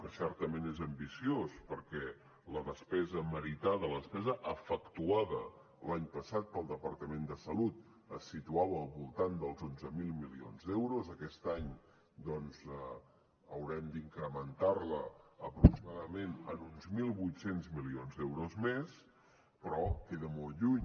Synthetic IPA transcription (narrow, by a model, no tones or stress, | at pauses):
kəsɛrt̪əmenezəmbisiospəɾkɛ | ləðəspɛzəməɾit̪aðələðəspɛzəʔəfəkt̪uaðə | laɲpəsat̪̚pəlˠd̪əpəɾt̪əmend̪əsəlut̪ | əsit̪uaβəːlˠβulˠt̪and̪əlˠzonzəmilˠmilionzd̪ɛwɾozəkɛst̪aɲ | d̪ɔnzə | əwɾɛmd̪iŋkɾəmənt̪arləəpɾuksimaðəmenə̰nunzmilˠβujt̪senzmilionzðɛwɾozmes | pɾɔkeðəmɔlˠʎuɲ